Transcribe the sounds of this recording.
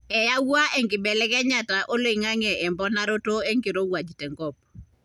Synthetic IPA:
ɛ˨ja˦wa˦ʔe˨ŋɡɪ˨bɛ˨lɛ˦ɡɛ˦ɲa˨ta˨ʔo˦lo˦i˨ŋa˦ŋɛ˨ɛ˨mbɔ˦na˦ɾo˦to˦e˦ŋɡi˨ɾo˦wa˨d͡ʒtɛ˨ŋɡɔ˦p̚

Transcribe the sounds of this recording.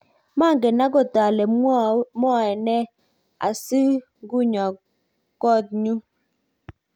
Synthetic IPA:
ma˦˨ŋɡe˨na˦ɡɔ˦ta˨lɛ˨m˦ɔ˦ɛ˨nɛ˦ | a̰˨sɨ˦ | ɡu˦ɲɔ˨ | kɔ˦˨t̚ɲu˦

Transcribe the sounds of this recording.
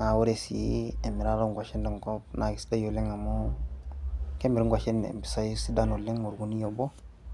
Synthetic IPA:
a˨wu˦ɾe˨sḭ˨e˨mi˨ɾa˦ɾo˦ŋɡa˨ʃi˦ndɔ˨ŋkɔ˦b̚na˨ɡi˨sta˦jo˨le˦ŋa˨mo˦ | ke˦mi˨ɾi˦ŋɡʷwa˨ʃi˦nḛ˨mpi̥˨sa˦jsi˦da˦no˨lːe˦ŋu˨ɾɡu˨ni˦jo˨bo˦

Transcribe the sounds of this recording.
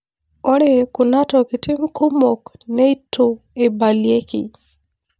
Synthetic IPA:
ɔ˦ɾɛ˦kuna˦tɔki˨ti˦m̩˦ku˦mɔkne˦itʰu | ebalie˦kḭ˨

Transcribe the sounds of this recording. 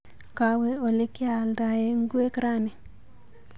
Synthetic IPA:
ka˨we˦o˨li˦kːɪ˦a˨lda˨je˦ŋ˦ɡu˦e˦kɾa˦ni˨

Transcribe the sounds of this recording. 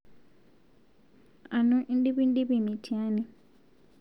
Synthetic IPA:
a˨nũ˦ʔi˦ndi˦bi˦ndi˦bi˦˨mi˨tʰi˨a˦ni˨

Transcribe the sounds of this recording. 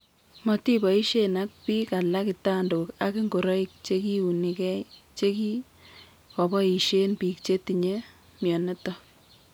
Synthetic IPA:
mɔ˨ti˦bɔ˨i˦ʃe˦na˦k̚pi˦ka˨la˦kɪ˨ta˦ndo˨ka˦ki˦ŋɡo˨ɾɔ˦i˦k̚t͡ʃe˦ki˦u˨ni˨kɛ˦jt͡ʃe˦ki˦ | kɔ˨bɔ˦i˨ʃe˦npi˨k̚t͡ʃe˦ti˨ɲe˦ | mjɔ˨ne˦tɔ˦

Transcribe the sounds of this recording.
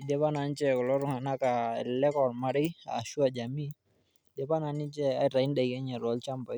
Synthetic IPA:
i˨dɛ˦pa˦na˨nt͡ʃɛ˦kɔ˨lɔ˦ɾu˨ŋa˨na˦ka˨ɛ˨lɛ˦kɔ˨lma˦ɾɪ˦a̰˨ʃu˦a˨d͡ʒa˨mi˦ | dɛ˨pa˦na˨ni˦t͡ʃɛ˦a˦ɾa˨i˦nda˨jɛ˦ɲɛ˨ɾɔ˨˦lt͡ʃa˦mba˨˦

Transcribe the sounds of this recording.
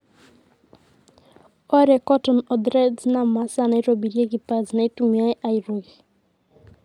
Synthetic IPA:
ɔ˦ɾɛ˨kɔ˦tɔ˨nɔ˨d̪ɾɛ˦d͡zina˨ma˦sa˦˨na˨i˦ɾɔ˨bi˨ɾi˦ɛ˦ki˨pa˨zi˨na˨i˦tumia˦ɛ˦ʔa˨i˨ɾo˨ɣɛ˨

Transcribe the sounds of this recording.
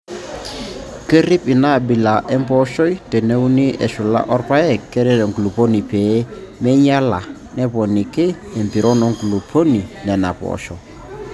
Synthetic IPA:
kə˦ɾi˦pi˨na˦˨bi˨la˨ʔɛ˦mpɔ˦ʃɔ˦jtɛ˨ne˦u˦ni˦ʔɛ˨ʃu˨la̰˦ʔɔ˦ɾpa˦ɛ˦kːɛ˦ɾɛ˦ɾɛ˨ŋɡu˨lu˨po˦ni˨pe˨˦mɛ˦ɲa˦la˨ | nɛ˦pɔ˨ni˨keː˦˨mpi˨ɾɔ˦nɔ˨˦ŋɡu˨lu˨pʰo˦ni˨nɛ˨na̰˨pɔ̰˨ʃɔ˨

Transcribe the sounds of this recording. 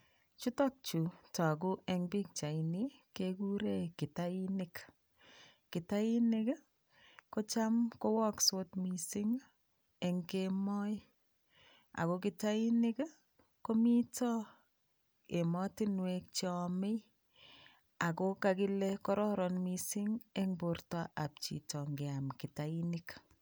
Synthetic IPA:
t͡ʃu˦tɔk̚t͡ʃu˨ta˨k̬u˦ʔe˦ŋbi˦k̚t͡ʃa˨ini˦keku˦ɾe˦kɪ˨tai˦nɪk | kɪ˨tai˦nɪ˦k | ko˦t͡ʃa˦mko˦wɔ˦kso˦tmi˨si˦ŋ | e˨ŋkemɔ˦j | a̰˨kok̬itainɪ˦k | komi˦tɔ˦ | e˨mɔtinwek̚t͡ʃɔmɪ˦ | a˨kokaki˦lɛkɔɾɔ˦ɾɔnmisi˦ŋeŋbortɔʔap̚t͡ʃḭtɔŋɡe˨amkɪtainɪk

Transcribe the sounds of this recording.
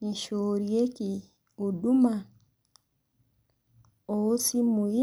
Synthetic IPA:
ni˨ʃoɾje˦ki˨ | o˨du˦ma˨ | oo˦si˦mu˨i˦

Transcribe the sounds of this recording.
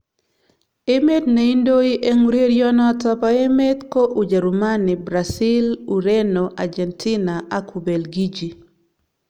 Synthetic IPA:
e˦me˦dne˨i˦ndo˦i˦ʔe˦ŋuɾe˦ɾjɔ˦nɔ˦tɔ˦pa˦e˦me˦t̪ko˦ʔu˨d͡ʒa˨ɾu˨ma˦nɪ˨bɾasi˦lu˨ɾe˦no˨ʔa̰˨d͡ʒɛ˨ntʰi˦na˨a˦ku˨be˨lɡi˦d͡ʒi˨

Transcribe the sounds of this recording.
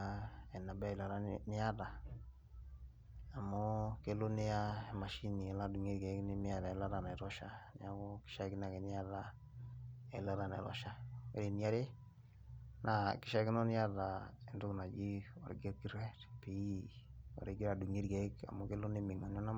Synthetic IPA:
aɛ˨na˨bɛ˦i˨la˨ɾa˦nɪ˦a˦da˨ | a˨mɔ˦ke˦lo˦ne˦ja˦ma˨ʃi˦ni˨ɛ˨la˦du˨ŋi˦ɾɡɛ˨˦kni˦mɪ˦a˨ɾa˨ɛ˨˦la˦ɾa˨na˨ɾɔ˦ʃa˦nɪ̰˨a˦kɔ˦kɪ̥˦ʃa˦kɪ˦na˨ke˨nɪ˦ja˦da | ɛ˨la˦ɾa˨nɛ̰˨ɾɔ̰˨ʃa˦wḛ˦ɾi˨n˦a˦ɾe˦ | na˨kɪ˨ʃa˦kɪ˦nɔ˦nɪ˦ja˦da˨i˦ndu˦kna˨d͡ʒi˦ɔ˨ɾɪ̰˨ɡe˦ɾki˦ɾɛ˦tpi˦ | ɔ̰˨ɾi˦ɡi˦ɾa˨du˨ŋi˦ɾɡɛ˨˦ka̰˨mo˦ke˦lʊ˦ne˦mi˨ŋa˨n˦ɔ˦na˦

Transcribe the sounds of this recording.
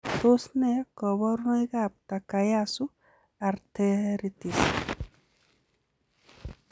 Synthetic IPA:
t̪o˦sne˦kɔ˨βɔ˦ɾno˦jɣa˦p̚t̪a˨ka˨ja˦su˦ | a˨ɾt̪eɾit̪is

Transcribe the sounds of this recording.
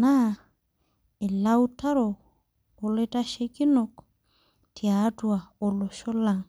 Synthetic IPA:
na˦ | e˨la˦wuta˦ɾoː˨ | le˦ta˦ʃe˦ki˦no˦k | tʰi˨a˨˦tua˨o˨lo˨ʃo˦la˨ŋ

